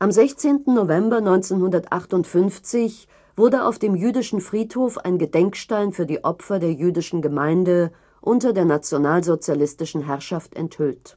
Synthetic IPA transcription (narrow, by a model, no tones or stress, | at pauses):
ʔamzɛçt͡seːntn̩novɛmbɐnɔʏnt͡seːnhʊndɐtʔa̰χtʊntfʏnft͡sɪç | v̥ʊɐdəʔa̰ʊfd̥eːmjyːdɪʃn̩fʁ̥iːthoːfa̰ɪnɡədɛŋkʃtaɪnfyːɐdiːʔɔpfɐdeːɐjyːdɪʃn̩ɡəmaɪndə | ʔʊntɐdeːɐnat͡sjonaːlzot͡sjalɪstɪʃn̩ɦɛɐʃaftɛ̰nthʏlt